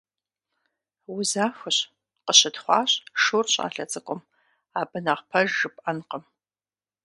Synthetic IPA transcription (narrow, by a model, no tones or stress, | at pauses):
wʊzaːfʷɨɕ | qəɕɨtχʷɑ̰ːɕʼʂurɕʼa̰ːɬɐt͡sʼɨkʷʼʊm | aːbɨnaʁpʰɐʒɨpʼʔɐnqəm